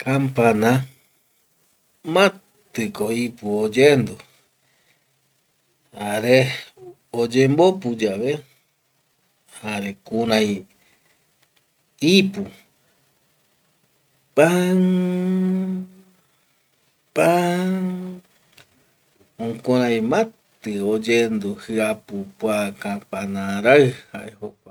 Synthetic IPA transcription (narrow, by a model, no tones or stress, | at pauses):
kʰampanã | mã | t̪ɨkoipuod͡ʒend̪o | haɾe | od͡ʒembopud͡ʒaβe | haɾekuɾãj | ipu | paŋ | pa | õkoɾ̃ãjmãt̪ɨod͡ʒend̪uhɨapupwakãpanãɾaɨhaʔehokʷa